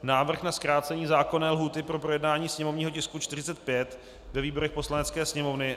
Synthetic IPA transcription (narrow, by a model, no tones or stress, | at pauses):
naːvr̩xnaskɾaːt͡sɛɲiːzaːko̞nɛːlɦuːt̪ɪpɾo̞pɾo̞jɛdnaːɲiːsɲɛmo̞vɲiːɦocɪskut͡ʃt̪ɪr̝ɪt͡sɛt̪̚pjɛt̪ | vɛviːbo̞ɾɛxpo̞slanɛt͡skɛːsɲɛmo̞vnɪ